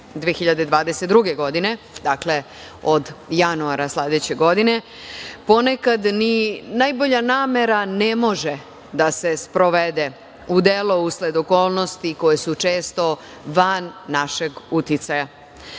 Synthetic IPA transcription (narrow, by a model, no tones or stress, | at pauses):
d̪ʋejexiʎad̪ed̪ʋaːd̪eset̪d̪ɾuɡeɡo̞d̪ine̞ | d̪akle̞ | o̞d̪januaɾasled̪et͡ɕeɡo̞d̪ine̞ | po̞nekad̪ninaːjbo̞ʎanaːme̞ɾane̞mo̞ʒe | d̪ase̞spɾo̞ʋed̪e | ud̪elo̞usled̪oko̞ːlˠno̞st̪iko̞jesut͡ʃe̞ːst̪o̞ | ʋanːaʃe̞ɡut̪it̪saja